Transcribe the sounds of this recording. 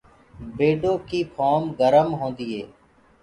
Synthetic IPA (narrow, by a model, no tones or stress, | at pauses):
beːɖõːkiːpʰɔːmɡəɾəmɦõːnd̪iːɦeː